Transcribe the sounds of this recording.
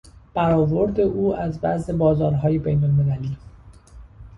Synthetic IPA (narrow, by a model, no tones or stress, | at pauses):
b̥æɾɒːvo̞ɾd̪e̞ʔuːæzbæ̰ze̞bɒːzɒːɾɦɒːje̞bejnolme̞læliː